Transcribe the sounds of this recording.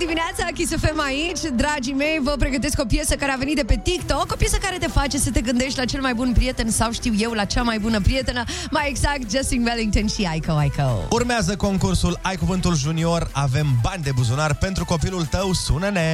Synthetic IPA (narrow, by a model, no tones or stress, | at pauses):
d̪imineat̪sakʲisefe̞mait͡ʃʲd̪ɾad͡ʒime̞jvəp̬ɾe̞ɡət̪e̞sko̞pjesəkaɾeaveit̪̚d̪epe̞t̪ikt̪oko̞pjesəkaɾe̞t̪e̞fat͡ʃe̞sət̪e̞ɡɨnd̪e̞ʃt̪ʲlat͡ʃe̞lmajbunpɾije̞t̪e̞nsawʃt̪iwje̞wlat͡ʃamajbunəpɾije̞t̪enə | majeɡzak̚t̪̚d͡ʒast̪iŋveliŋkt̪onʃiajkowajko̰wurmeazəko̞ŋkursulajkuvɨnt̪ulʒunio̞ɾave̞mbanʲd̪e̞buzunarpe̞nt̪ɾuko̞pilult̪əwsunəne